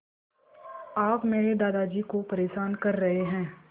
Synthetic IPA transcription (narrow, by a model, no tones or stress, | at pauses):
aːpmeːɾed̪aːd̪ad͡ʒiːkopɐɾeːʃaːnkɐɾːɐɦeɦɛ̃ː